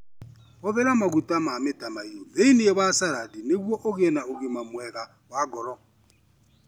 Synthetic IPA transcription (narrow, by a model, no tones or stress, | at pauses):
ɔβɛɾamakutʼamamɪtʼamaioðeiniɛβasaɾadinekuɔʔoɣɛnaoɡimamwɛɣa | waɡɔɾɔ